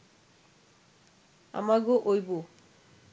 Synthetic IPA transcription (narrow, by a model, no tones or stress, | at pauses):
a̰maɡoʔojbo